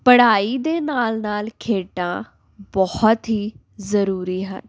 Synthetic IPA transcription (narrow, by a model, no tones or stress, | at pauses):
pəɽaːiːd̪eːnaːlnaːlkʰeːʈã̰ː | bɔht̪ɦiː | zəɾuːɾiːɦə̰n